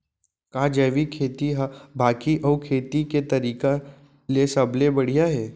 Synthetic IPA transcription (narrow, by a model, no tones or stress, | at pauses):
kaːd͡ʒɐːʋikʰeːt̪iɦabʱaːkiʔɔːkʰeːt̪iket̪ɐɾiːka | lesɐblebɐɽ̤ijaɦɛː